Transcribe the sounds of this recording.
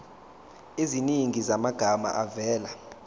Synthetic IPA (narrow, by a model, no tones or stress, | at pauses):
iziniŋʱizamaɡ̥ʱama̰ʔavɛːla